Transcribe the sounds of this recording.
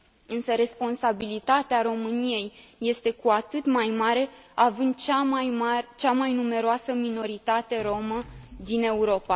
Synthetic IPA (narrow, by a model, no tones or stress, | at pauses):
ɨnsəɾe̞spo̞nsabilit̪at̪eaɾo̞mɨnije̞jːe̞st̪e̞kuat̪ɨt̪majmaɾe̞avɨnd̪t͡ʃamajmat͡ʃamajnume̞ɾoasəmino̞ɾit̪at̪e̞ɾo̞məd̪ine̞uɾo̞pa